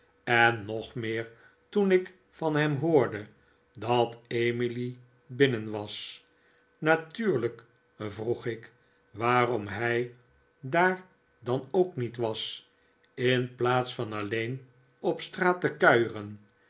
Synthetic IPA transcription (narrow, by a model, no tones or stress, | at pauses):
ɛnːɔχmɪːɹ | tunɪk | fɑnɦɛmɦʊːɹdə | dɑtejmili | bɪnənʋɑs | natyːɹlək | vruχɪk | ʋaːrɔmɦɛj | daːɹ | dɑnowknitʋɑs | ɪnplaːtsfɑnɑlejn | ɔpstraːtəkœɥrən